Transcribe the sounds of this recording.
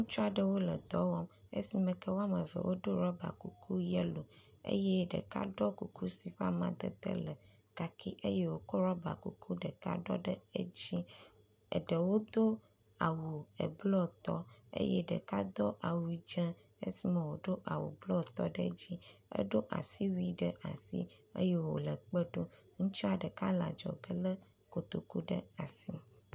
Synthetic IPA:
ŋũ˦t͡ʃu˦a˨ɖə˦wo˦lə˨d̪ɔ˦wɔ˦mḛ˦si˨mɛ̃˨kɛ˦wo˦a˦mə˨vɛ̰˨wʔo˦ɖo˦ɾɔ˦ba̰˨ku˨kʰu˦jɛ˦lo˨ | ḛ˦jɛ˦ɖə̰˨ka̰˦ɖɔ˦ku˨ku˦si˨ɸa˦mã˨d̪ə̰˨t̪ə̰˦lə˨ | ka˦kʰi˦ʔḛ˦je˦wo˦kɔ˦ɾɔ˦ba̰˨kṵ˨kʰu˦ɖə˨ka̰˦ɖɔ̰˦ɖə˦e˦d͡ʑi˦ | ɛ̰˨ɖə˨wo˦d̪o˦ | a˨wu˨ə̰˨blɔ˦t̪ɔ˦ḛ˦jɛ˦ɖə̰˨ka˦d̪ɔ˦ʔa˨wu˨i˨˦d͡ʒə˦ | ḛ˦si˦mə̃˨wo˨ɖo˦ʔa˨wṵ˨blɔ˦t̪ɔ˦ɖə̰˦d͡ʑi˦ə̰˦ɖo˦ʔa̰˨si˦wi˦ɖə˨ʔa̰˨sḭ˦ḛ˦je˦wo̰˨lə˨k͡pə˦ɖo˦ | ŋũ˦t͡ʃi˦a˨ɖə˨ka˦la̰˨d͡ʒɔ̰˨ɡə˦lə˦ | ko˨t̪o˨ku˦ɖə̰˦a˨si˦

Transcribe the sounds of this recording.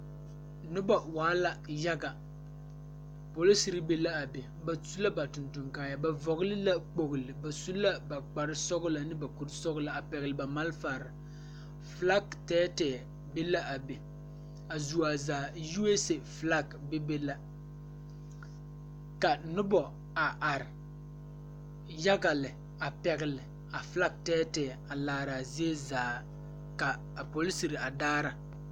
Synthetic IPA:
nʊ˦bɔ˨waː˨˦la˦ja˦ɡa˨ | po˨li˦si˨ɾi˦be˦la˦a˨be˨ | ba˨su˦la˦ba˨tʊ˨ntʊ˨ŋkaː˦ja˨ba˨vɔ˨ɣʊ˦lɪ˦la˦k͡po˨ɣʊ˨lɪ˨ba˨su˦la˦ba˨k͡pa˨ɾɪ˦sɔ˦ɣʊ˦la˨nɪ˦ba˨ku˦˨ɾsɔ˦ɣʊ˦la˨a˨pɛ˨ɣɪ˨lɪ˨ba˨ma˦lfaː˨ɾɪ˨ | fla˦ɡtɛː˦tɛː˨ | be˦la˦ʔa˨be˨ | a˨zu˨a˨zaː˨ju˦e˦se˨fla˦ɡbe˦be˦la˦ | ka˨nʊ˦bɔ˨ | a˨ʔa˨ɾɪ˨ | ja˦ɡa˨lɪ˨ | a˨pɛ˨ɣɪ˨lɪ˨ | a˨fla˦ɡ̚tɛː˦tɛː˨ | a˨laː˨˦ɾa˨zi˦e˦zaː˨˦ | ka˨ | a˨po˨li˦si˨ɾɪ˨a˨daː˦ɾa˨

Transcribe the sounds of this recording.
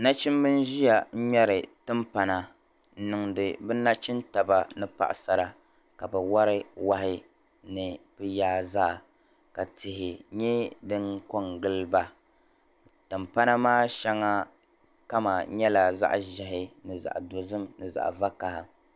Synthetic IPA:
na˦t͡ʃi˦m˦bɨ˦n˦ʒi˦ja˨˦ɲɛ˦ɾɨ˨tɨ˦mpa˨na˨ | n̩˦nɨ˨ŋdɨ˨bɨ˦na˦t͡ʃi˦nta˨ba˨nɨ˦pa̰˨ʔsa˨ɾa˨ | ka˨ba˨wa˦ɾɨ˦wa˦hɪ˦ | nɨ˨bɨ˦jaː˦zaː˦˨ | ka˨tɪ˨hɪ˨ɲɛ˦dɨ˦ŋko˦ŋɡɨ˦lba˦ | tɨ˨mpa˦na˦maː˦ʃɛ˦ŋːa˦ | ka˦ma˨ɲɛ˦la˨za̰˦ʔʒɛ˨ɦɪ˦nɨ˨za̰˨ʔdo˨zɨ˦mnɨ˨za̰˨ʔva˦ka˨hɪ˨

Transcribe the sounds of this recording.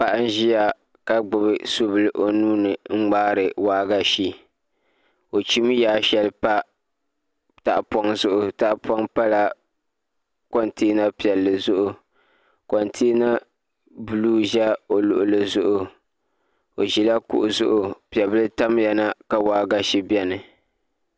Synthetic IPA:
pa˨ʔa˦n˦ʒi˦ja˨ | ka˦ɡ͡bʊ˨bɨ˨so˦bɨ˨lɨ˦ʔo˨nuː˦nɨ˨ŋ͡m̩˦ŋ͡maː˦ɾɨ˨waː˦ɡa˦ʃi˦ | o˨t͡ʃi˦m˦jaː˦ʃɛ˦lɨ˦pa˦ | ta˨ʔpɔ˦ŋzʊ˦ʔʊ˨ta˦ʔpɔ˦ŋpa˦la˦ | kɔ˦nteː˦na˦pi˨ɛ˨lːɨ˨zʊ˦ʔʊ˨ | kɔ˨ntʰeː˦na˦ | bɨ˨luː˦ʒɛ˦o˨lʊ̰˨ʔʊ˦lɨ˦zʊ˦ʔʊ˨ | o˨ʒi˨la˦kʊ̰˦˨ʔʊ˨zʊ̰˦ʔʊ˨pi˨ɛ˨bɨ˦lɨ˦ta˦m˦jɛ˨na˦ka˨waː˦ɡa˦ʃi˦bɛ˦nɨ˨

